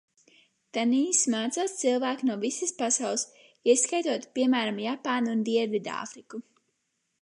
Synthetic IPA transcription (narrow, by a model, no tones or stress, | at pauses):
t̪aniːsmaːt̪saːst̪silˠvæːknuɔvisɨspasawlˠs | iɛskajt̪uɔt̪piɛmæːɾamjapaːnund̪iɛɾvid̪a̰ːfɾiku